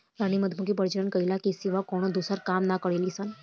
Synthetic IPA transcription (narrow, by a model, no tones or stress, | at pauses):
ɾaɽ̃iməd̪ʱmuɡipəɾt͡ʃəɭəɳkəɦilakisiʋakɔɽ̃ɔd̪usəɾkamnakəɽelisan